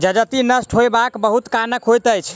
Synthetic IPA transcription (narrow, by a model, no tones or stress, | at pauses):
d͡ʒəd͡ʒət̪inəsʈʰɦojbakbəɦut̪kanəkɦojt̪əjt͡ʃʰ